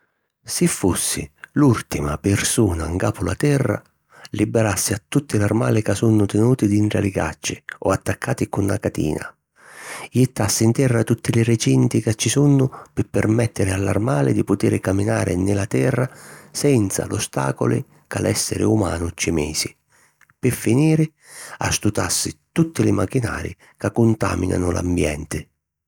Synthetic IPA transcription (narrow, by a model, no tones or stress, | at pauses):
sɪfːusːɪ̰lult̪ima̰pɪrsuːnaŋɡaːpʊlat̪ɛrːa̰ | libɪɾasːɪat̪ːut̪ːɪlarmaːlɪkasunːʊt̪ɪnuːt̪id̪inʈɾa̰lɪɡa̰t͡ʃːɪɔat̪ːakːaːt̪ɪkunːa̰kat̪ḭːna̰ | jɪt̪ːasːɪint̪ɛrːat̪ut̪ːilɪrɪt͡ʃint̪ikat͡ʃːisunːʊpɪpːɪrmɛt̪ːɪɾɪalːa̰rmaːlɪd̪ipʊt̪iːɾɪkamːinaːɾɪnɪlat̪ɛrːasɛnt̪sa̰lʊst̪a̰ːkʊ̰lɪ | ka̰lʔɛsːɛ̰ɾɪ̰uma̰ːnʊt͡ʃːɪmɛːsɪ | pɪfːiniːɾɪ | a̰st̪ut̪asːɪt̪ut̪ːɪlɪmak̟ːina̰ːɾɪ̰ | kakːʊnt̪a̰ːminʔa̰nʊla̰mbjɛ̰nt̪ɪ